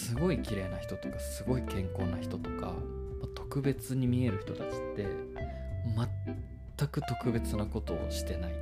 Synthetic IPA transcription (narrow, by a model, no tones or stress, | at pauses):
sɨɡo̞ikʲiɾe̞ːnaçi̥t̪o̞t̪okḁsɨɡo̞ikẽ̞ŋko̞ːnaçi̥t̪o̞t̪o̞ka̰mat̪o̞kɯ̟be̞t͡sɨɲ̟imʲie̞ɾɯ̟çi̥t̪o̞t̪at͡ɕi̥t̪ːe̞ | mat̪ː | akɯ̟t̪o̞kɯ̟be̞t͡sɨnako̞t̪o̞̰ːɕi̥t̪e̞nai